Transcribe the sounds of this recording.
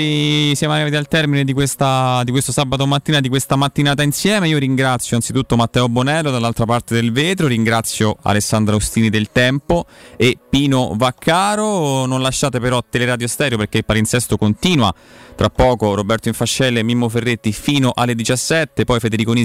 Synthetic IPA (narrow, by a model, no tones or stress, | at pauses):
isjamoaɾivat̪ialt̪ɛrmined̪ikwest̪ad̪ikwest̪osabat̪omat̪ːiːnad̪ikwest̪amat̪ːinaːt̪ainsjɛːmeiːoɾiŋɡɾat̪sːjoansit̪ut̪ːomat̪ːɛːobonɛːlːod̪alːalt̪ɾapart̪ed̪elveːt̪ɾoɾiŋɡɾat̪sːjoa̰lesːand̪ɾaost̪iːnid̪elt̪ɛmpoepːiːnovakʰːaːɾononlaʃːaːt̪epeɾɔt̪eleɾad̪jost̪ɛːɾjoperk̟eilpaɾinsɛst̪okont̪iːnwat̪ɾapːɔːkoɾobɛrt̪oiɱfaʃːɛlːemːimːoferːet̪ːifiːnoʔalːed̪it͡ʃasːɛt̪ːepɔjfed̪eɾikoni